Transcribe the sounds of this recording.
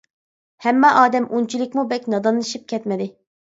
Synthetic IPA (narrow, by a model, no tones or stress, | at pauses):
hɛmːɑʔɑːd̪ɛmʔunt͡ʃʰilˠɪk̚ʲmubɛkʲnɑd̪ɑnːˠɨʃip̚kʲʰɛt̪mɪd̪ɪ